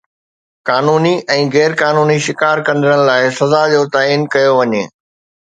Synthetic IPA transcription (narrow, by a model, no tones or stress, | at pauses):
kaːnuːniʔɛ̃ːɣɛːɾkaːnuːniʃɪkaːɾkɐ̃nd̪ɪɾəɽ̃ɪ̆laːɪsɐzad͡ʑoːt̪aːiːnkɐjoʋɐɲeː